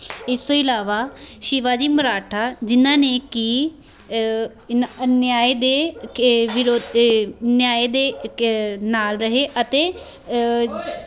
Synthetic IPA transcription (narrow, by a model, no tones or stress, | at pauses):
ɪst̪õːɪlaːʋaːʃɪʋaːd͡ʒiːməɾaːʈʰaːd͡ʒɪnãːneːkiː | njaːeːd̪eː | ʋɪɾoːd̪njaːeːd̪eː | naːlɾəɦeːʔət̪eː